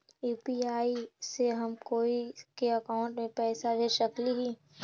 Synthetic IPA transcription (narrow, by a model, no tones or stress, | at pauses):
juːpiaːiseɦɐmkoːikeɐkaːʊ̃ɳʈmẽpɛːsaɾeʃəkliɦiː